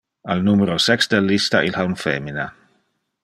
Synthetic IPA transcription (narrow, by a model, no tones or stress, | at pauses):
alnumeɾosɛksd̪elːist̪aʔilxaunfɛ̰mina